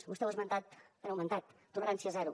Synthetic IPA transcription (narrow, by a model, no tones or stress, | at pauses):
ust̪ewɐzmɐ̃nt̪at̪ɛɾɐwmɐ̃nt̪at̪t̪uɾɐɾansiɐzɛɾu